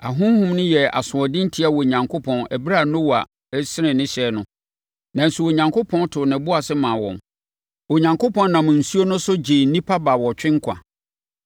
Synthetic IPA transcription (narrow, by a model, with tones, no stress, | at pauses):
a˨ɦʊ̃˦m˦hʊ̃˦mnʊ̃˦jɛ˨a̰˨sʊ̃˨ɔ˨dɪ̃˦n̩˦tʰi˦a˨wɔ˨ɲã˨ŋkʰo˦pʰɔ̃˨næ˨bɾa˦˨nʊ̃˦wa˨˦ | sɪ˦ɾɪ̃˨nɪ̃˦ɕɛ˨nʊ̃˦ | nã˨n̩˨su˨wo˨ɲã˨ŋkʰo˦pʰɔ̃˦n˦tʰʊ˨nɪ̃˨bʊ˦a˨sɪ˦mã˨wɔ̰̃˨m | wɔ˨ɲã˨ŋkʰo˦pʰɔ̃˦nnã˨mʊ̃˨n̩˨su˦o˦nʊ̃˦sʊ˦d͡ʑe˨n̩˦nĩ˦pʰa˦ba˨wɔ˨t͡ɕᶣɪ̃˦ŋ˦kʰa̰˨